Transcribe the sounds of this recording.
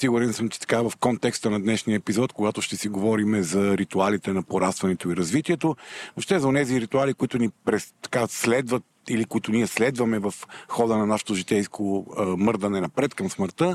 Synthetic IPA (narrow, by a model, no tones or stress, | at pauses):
siɡʊɾɛnsəmt͡ʃɛ̥t̪ɐ̥kavɐfkɔnt̪ɛkst̪ənɐd̪nɛʃniəɛpizɔt̪koɡat̪ʊʃt̪ɛsiɡovɔɾimɛzɐɾit̪ualit̪ɛnɐpoɾast̪vɐnɛt̪oiɾɐzvit̪iɛt̪onoʃt̪ɛzɐonɛziɾit̪ualikʊit̪ʊnipɾɛt̪ɐ̥kaslɛd̪vət̪̚ | ilikʊit̪ʊniɛslɛd̪vɐmɛvɐfxɔd̪ənɐnaʃo̥t̪oʒit̪ɛjskʰomɤɾd̪ɐnɛnɐpɾɛt̪kɐmsməɾt̪ə